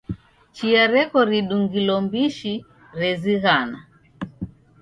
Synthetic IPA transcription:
t͡ʃiaɾɛkɔɾiɗuŋɡilɔmbiʃi | ɾɛziɣana

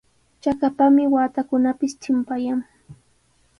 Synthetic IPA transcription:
t͡ʃakapamɪwaːt̪akʊnapɪst̪ʰɪmpajaŋ

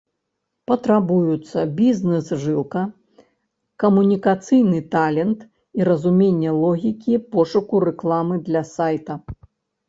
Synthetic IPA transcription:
pɐt̪ɾabujut̪sːɐbʲiznɛsʐɨlˠkɐ | kɐmunʲikat̪sɨjnɨt̪alʲɛnt̪ | iɾɐzumʲenʲːɛlˠɔɣʲikʲipɔʂukuɾɛklˠamɨd̪lʲɐsajt̪ɐ

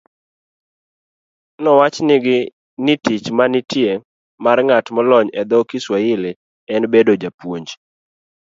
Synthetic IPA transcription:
nɔwat͡ʃnɪɡɪ | nitit͡ʃmanɪtje | marŋatmɔlɔɲɛd̪ɔkɪswaɪlɪ | ɛnbedod͡ʒapwoɲd͡ʒ

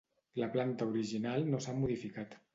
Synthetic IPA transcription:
ləplant̪əuɾiʒinalˠnosamuðifikat̪

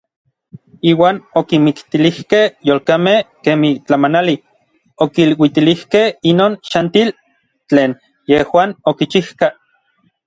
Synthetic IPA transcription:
iːwaːnokimikt̪ilihkehjoːlkamehkeːmit͡ɬamanali | okilwit̪ilihkehinoːnʃant̪il | t͡ɬeːn | jehwaːnokit͡ʃihka

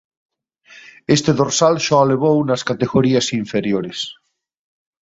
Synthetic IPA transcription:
est̪eðoɾsalʃɔaleβ̞ownaskat̪eɣoɾiasiɱfeɾjoɾes

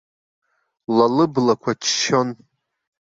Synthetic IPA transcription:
lalɨblakʷʰat͡ʃʰʃon

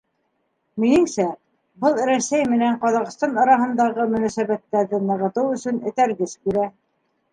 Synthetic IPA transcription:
minɘ̆ŋsæ | bɤlˠɾæsæjmɘ̆næɴqɑðɑqɤ̆st̪ɑnɑɾɑɦɤ̆nd̪ɑʁɤmɵ̆næsæβæt̪ːæɾðɘnɤ̆ʁɤ̆t̪ɤwɵ̆sɵnɘ̆t̪æɾɡɘskiɾæ

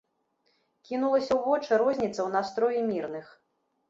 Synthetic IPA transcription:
kʲinulˠɐsʲɐwvɔt͡ʂɨɾɔzʲnʲit̪sːɐwn̪ast̪ɾɔjimʲirnɨx

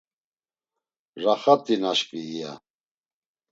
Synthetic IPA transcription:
raχat̪ʼinaʃpʼiːja̰

